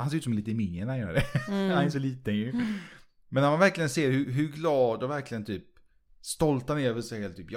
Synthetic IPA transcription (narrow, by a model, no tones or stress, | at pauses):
hansejʉːt̪sɔmliːt̪əɪmɪŋːənahanjœːɾadɛanɛsɔliːt̪əɛ | mɛnːaɾmanvæɾklɪɡənseːɾhʉɦɵɡlɑːd̪ɔvæɾklɪɡənt̪ʰyːp̚ | st̪ɔlt̪hanɛɾjavɪlsɛhɛːlt̪ʰyːpj